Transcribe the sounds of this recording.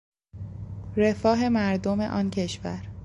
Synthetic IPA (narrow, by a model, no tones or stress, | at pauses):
ɾe̞fɒːɦe̞mæɾd̪ome̞̰ʔɒːncʰe̞ʃvæ̰ɾ